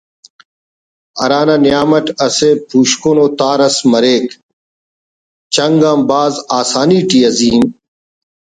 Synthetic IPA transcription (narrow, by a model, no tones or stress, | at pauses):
ɐ̰ɾaːnaːnjaːmɐʈɐseːpʰuːɕkoːnoːt̪aːɾɐsmɐɾeːk | t͡ɕɐŋɡãːmbaːzaːsaːniːʈiːɐziːm